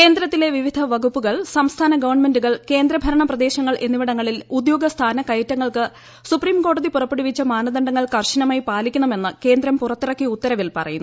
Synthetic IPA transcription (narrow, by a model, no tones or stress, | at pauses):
ke̞ːnd̪ɾɐt̪ːile̞ʋiʋid̪ʱɐʋɐɡupːuɣɐɭsɐmst̪ʰaːnɐɡɐʋɐrɳme̞nduɣɐɭke̞ːnd̪ɾɐbʱɐɾɐɳɐprɐd̪e̞ːɕɐŋːɐɭʔe̞nːiʋiɽɐŋːɐɭilud̪jo̞ːɡɐst̪ʰaːnɐkɐjɐtːɐŋːɐɭkɨ | supriːmko̞ːɽɐðipurɐpːeɽuʋit͡ɕːɐmaːnɐðɐɳɖɐŋːɐɭkɐrɕinɐmaːjipaːlikʲːuɳɐme̞nːɨke̞ːnd̪ɾɐmpurɐt̪ːirɐkːiut̪ːɐɾɐʋilpɐrɐ̰junːu